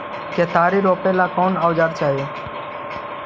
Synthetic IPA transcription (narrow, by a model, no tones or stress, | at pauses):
keːt̪aːɾiːɾoːpeːlaːkɔːnaːʋd͡ʒaːɾt͡ʃaːɦeː